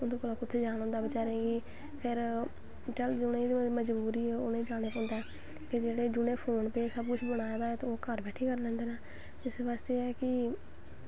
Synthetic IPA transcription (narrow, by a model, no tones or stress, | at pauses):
ʊnd̪õːkoːlaːkʊt̪ʰːeːd͡ʒaːɽ̃ɔ̃ːnd̪aːbɪt͡ʃaːɾẽːɡiː | kʰeːɾ | t͡ʃəld͡ʒʊned̪məd͡ʒbuːɾiːɛːo̰ːnẽːd͡ʒaːɽ̃eːpɔ̃ːnd̪aɛː | ked͡ʒeːɽeːd͡ʒʊɽeːpʰoːnpeːsəb̚kʊt͡ʃʰbəɽ̃aːd̪aːɛt̪ooːkəɾbɛːʈʰiːkəɾlɛ̃ːnd̪eːnaː | ɪsʋaːst̪eːɛːkɪ